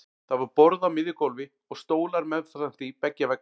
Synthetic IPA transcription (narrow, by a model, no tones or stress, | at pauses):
θavaɾpɔɾðamɪðɪkowlvɪ | ɔɣst̪oːwlaɾmɛðθasam̥θipɛcːavɛk̚